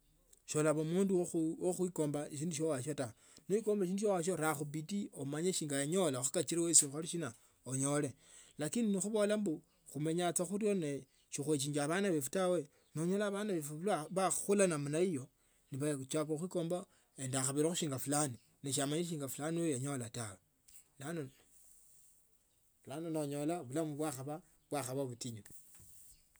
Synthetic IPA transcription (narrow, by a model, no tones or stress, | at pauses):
ʃolaβomuːnduwoxwiko̞ːmbaeʃ̬iːnduʃ̬owaʃata | noʃikoːmbaeʃiːnduʃowaʃ̬oɾaxubitiomaɲeʃiːŋɡajaɲo̞laxḁkat͡ʃiɾewesixaliʃina | oɲo̞le | lakininixuβo̞lambu | xume̞ɲat͡saxuɾjo̞ne | ʃixwet͡ʃ̬iɲd͡ʒaβanaβefutawe̞ | noɲolaːβanaβefulaβaulanamunaijo̞ | niβat͡ʃakoxikoːmba | endaxaβiɾaxuʃiːŋɡafulani | neʃ̬amaɲiɾiʃ̬iːŋɡaflaniojaɲo̞latawe | lano | fulanonoɲo̞laβulamuβwaxaβa | βwaxaβaβutiɲi